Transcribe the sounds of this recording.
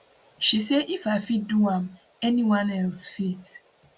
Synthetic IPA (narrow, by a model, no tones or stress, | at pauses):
ʃiseʔifaɪfit̚duãm | ɛniwãnɛlsfit